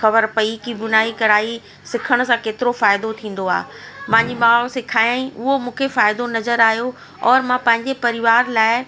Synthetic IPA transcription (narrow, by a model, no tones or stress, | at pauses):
xɐbəɾpɐikibʊnaːikɐɾaːi | sɪkʰəɽ̃ʊ̆sãkeːt̪ɪɾofaːɪd̪ot̪ʰĩːn̆d̪oa̰ː | mãːɲd͡ʑimaːɭsɪkʰaːãĩʊɦomũːkʰefaːɪd̪onɐzəɾaːɦjo | ɔːɾmãpɐ̃ɦɪ̃ɲd͡ʑepɐɾɪʋaːɾlaːɪ